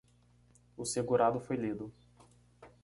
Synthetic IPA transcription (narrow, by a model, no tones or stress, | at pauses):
ʊseɡuɾad̪ʊfojlid̪ʊ